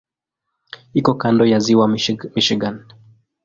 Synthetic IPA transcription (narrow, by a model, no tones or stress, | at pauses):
ikɔkandɔjaziwamiʃiɡan